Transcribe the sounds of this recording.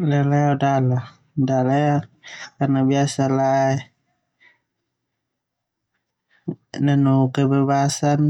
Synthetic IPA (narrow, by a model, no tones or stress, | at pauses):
lɛlɛadala | dalajakarnabiasala | nanukɛbɛbasan